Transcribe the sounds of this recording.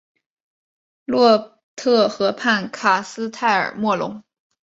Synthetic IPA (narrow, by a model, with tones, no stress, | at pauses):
lwɔ˥˧ | t̪ʰɤ˥˩xɤ˧˥pʰa˥˩nkʰa˨˩sɹ̩˥t̪ʰa˥˩ɪə̰˞˨˩mwɔ˥˩lʊ̰˧˥ŋ